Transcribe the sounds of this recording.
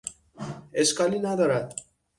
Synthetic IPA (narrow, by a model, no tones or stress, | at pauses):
eskalinad̪ɔɾat̪̚